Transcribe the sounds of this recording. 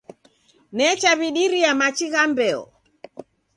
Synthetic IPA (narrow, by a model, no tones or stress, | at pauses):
nɛt͡ʃaβiɗiɾiamat͡ʃiɣambɛɔ̰